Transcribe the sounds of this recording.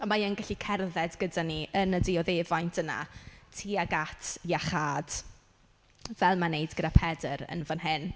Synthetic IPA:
amajənɡaɬikʰɛrðɛdɡədaniʔənədɪɔðevajntʰəna̰tʰiːaɡatʰjaχaːd̥ | vɛlˠmanejdɡədapʰɛdəɾə̰nvanɦɪn

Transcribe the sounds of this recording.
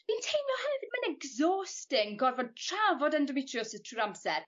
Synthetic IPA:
m̥intʰejnlɔlˠhənɛvɪdmanɛɡzɔːstɪŋɡɔrvɔd̚tʰr̥avɔdandɔmitʰrijɔsəð̥tʰruːɾamsɛr

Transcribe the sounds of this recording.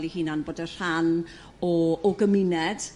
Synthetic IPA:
lihiːnanboːdər̥an | ɔːɡəmɪnɛd̥

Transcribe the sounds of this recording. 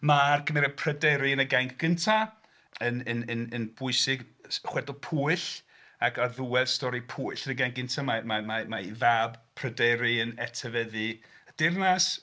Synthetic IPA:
markʰəmɛɾɛpʰr̥ədɛɾɪənəɡajŋkʰɡ̥əntʰa | ənənənənb̥ʊɨsɪɡ | χwɛdɔpʰuːɨɬ | akaðuwɛlstɔɾipʰuɨɬənəɡaŋk̚ɡ̥əntʰamamamamaiðabpʰrədɛɾɪənɛtʰəvɛðɨ | əd̥ɪrnas

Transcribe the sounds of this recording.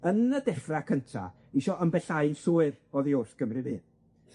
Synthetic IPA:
ənədɛfrakʰəntʰa̰ | iʃɔʔəmbɛɬaɨnsuːɨrɔðiʊrθɡ̥əmrɨðiː

